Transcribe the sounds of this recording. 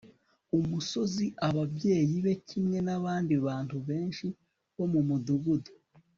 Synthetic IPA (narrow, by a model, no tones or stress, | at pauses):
umuso̞ziʔaβabje̞ːjiβe̞cimŋe̞naβaːndiβaːntuβe̞ːnʃi | βo̞mumuduβudo̥